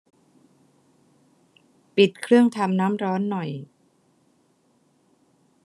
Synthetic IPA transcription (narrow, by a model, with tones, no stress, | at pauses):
pi˨˩t̪̚kʰɾɯ˥˩əŋt̪ʰa˧mnaː˦˥mɾɔː˦˥nːɔ˨˩j